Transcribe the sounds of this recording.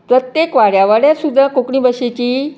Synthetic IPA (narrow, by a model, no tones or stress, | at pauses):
pɾət̪jekʋaɭjaʋaɽjasud̪ʱːakokɳĩːbəɕet͡ɕiː